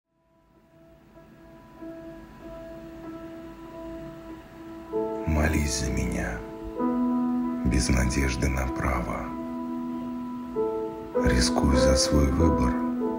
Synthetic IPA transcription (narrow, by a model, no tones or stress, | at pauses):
mɐlʲisʲzəmʲɪnʲa | bʲɪznɐdʲeʐd̪ɨnɐpɾa̰və̰ | ɾʲɪskujʊzəsvojvɨbər